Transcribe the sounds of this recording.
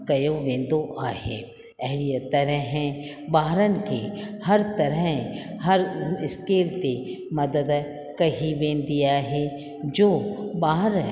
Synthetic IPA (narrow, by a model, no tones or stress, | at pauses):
kɐjoʋẽːnd̪oʔaːɦḛː | ɛɦɾijət̪ɐɾəɦɛ̃ | baːɦɾənkehɐɾt̪ɐɾəɦ | hɐɾɪskeːlt̪e | mɐd̪əd̪ | kɐɦiʋẽːnd̪ijaɦɛ | d͡ʒoːbaːɦɾ